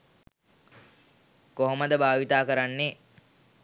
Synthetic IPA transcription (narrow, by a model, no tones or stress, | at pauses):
koɦoməd̪əbʱaːʋit̪aːkəɾanːe